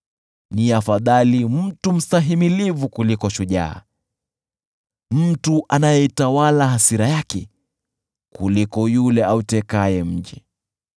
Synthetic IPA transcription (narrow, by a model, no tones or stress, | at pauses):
niafaðalim̩tum̩saɦimilivukulikɔʃuʄa̰ː | m̩tuʔanajɛitawalaɦasiɾajakɛ | kulikɔjulɛautɛkajɛm̩d͡ʒɛ